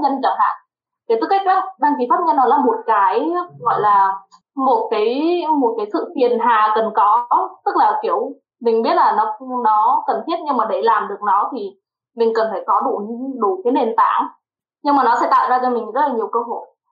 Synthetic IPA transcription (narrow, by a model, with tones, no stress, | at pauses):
ɲə˧nt͡ɕa˧˩ha̰ː˧˨ŋ | ke˨˩t̪u˦˥ka˦˥k̚ʔa˨˦ɗaː˧ŋki˨˦faː˦˥t̚ɲə˧nːɔ˨˦laː˨˩mo˨˩t̚kaː˨˦jɣɔ̰˧˨jlaː˨˩ | mo˨˩t̚kaː˨˦jmo˨˩t̚kaː˨˦jsɨ̰˧˨fi˨˩ənɦaː˨˩kə˨˩nkɔ˨˦t̪ɨ˦˥k̚laː˨˩ki˧˩əw | mï˨˩ŋ̟ɓi˦˥ət̚laː˨˩nɔ˨˦nɔ˨˦kə˨˩nt̪ʰi˦˥ət̚ɲɨ˧ŋmaː˨˩ɗe˧˩laː˨˩mɗɨ˨˩ək̚nɔ˨˦t̪ʰi˨˩ | mï˨˩ŋ̟kə˨˩nfaː˧˩jkɔ˨˦ɗu˧˩ɗu˧˩kaː˨˦jne˨˩nt̪a̰ː˧˩ŋ | ɲɨ˧ŋmaː˨˩nɔ˨˦sɛ̰˧˥t̪a̰ː˧˨wzaː˧t͡ɕɔ˧mi˨˩ŋ̟zə˦˥laː˨˩ɲi˨˩əwkəː˧ɦo̰˧˨j